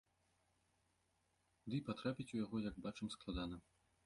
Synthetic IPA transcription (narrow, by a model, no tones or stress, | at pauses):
d̪ɨjpat̪ɾapʲit͡sʲujaɣɔjɐɡbat͡ʂɐmsklˠad̪anɐ